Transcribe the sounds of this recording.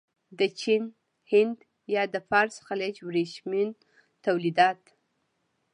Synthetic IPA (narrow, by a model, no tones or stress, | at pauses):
d̪ət͡ʃin | hɪnd̪ | jɑd̪əfɑɾsxaled͡ʒwɾeʃmin | t̪awlid̪ɑt̪